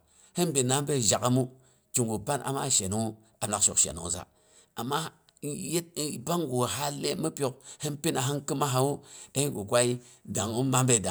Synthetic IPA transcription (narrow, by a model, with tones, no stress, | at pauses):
he˦nbi˨na˦be˦˨ʒa˨ka˦mu˦ | t͡ʃi˨ŋɡu˨ba˦nʔa̰˨ma̰˦˨ʃe˨nu˦ŋ˦ | a˨na˨˦ʃo̰˨kʃḛ˨nṵ˨ŋ˨za̰˨ | a˨mːa˦ | je˦t̚ba˦ŋɡu˨ɦa˦le˦mi˦pʲo˨k̚he˦npi˦na˨ɦa˦ŋki˦ma˦ɦa˨wu˦e˦hi˦ɡu˨kʷa˦i˦ | da˨ŋu˦ma˦mbe˦˨da˨